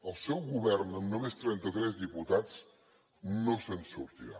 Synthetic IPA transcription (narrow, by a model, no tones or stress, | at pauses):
əlˠsɛwɣuβɛɾnəmnomest̪ɾɛnt̪ət̪ɾɛzd̪iput̪at͡s | nosənsṵɾt̪iɾa